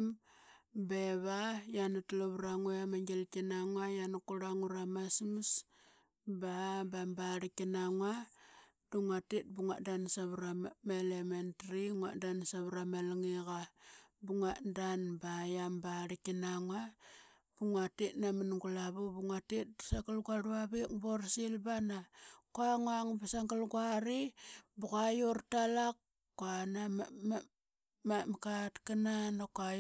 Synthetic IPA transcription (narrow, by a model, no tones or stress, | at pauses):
m | beβajanatloβɾaŋuamaŋɡelkinaŋwajankuɾaŋuɾamasims | babambaɾikinaŋwa | d̥uŋatit̚buŋaʔdansaβɾamelementriŋaʔdansaβɾamelŋiɣabuŋaʔdanbajambaɾikinaŋa | b̥uŋatitnamanŋɡulaβubuŋatit̚bsaɡalɡaɾuaβikborsilbanakuaŋaŋbasaŋɡalɡwaɾibuɣajortalak | kːanamam | mamkatkananakaj